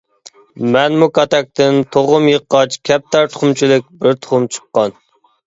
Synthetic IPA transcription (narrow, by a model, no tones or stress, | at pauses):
mɛnmukɑt̪ɛk̚t̪ɪnt̪ʰoʁʊmjəqːɑt͡ʃkʲʰɛp̚t̪æɾt̪ʰʊ̥χʊmt͡ʃʰilɪk̚ʲbɪɾt̪ʰʊ̥χʊmt͡ʃʰɨ̥qːɑn